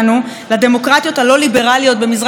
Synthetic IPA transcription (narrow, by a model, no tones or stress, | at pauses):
nu | lade̞mo̞kʁat̪jo̞thalo̞libe̞ʁalijo̞t̚be̞mizʁ